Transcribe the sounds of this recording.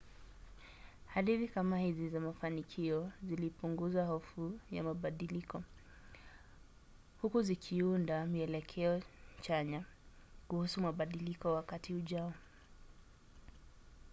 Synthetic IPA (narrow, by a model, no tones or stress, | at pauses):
haɾiɾikamahizizamafanikʰiɔzilipuŋɡuzwahɔfuja̰maɓaɗilikɔ | hukuzikʰiundamiɛlɛkʰɛɔt͡ʃaɲakuhusumaɓaɗilikɔwakatiuʄaɔ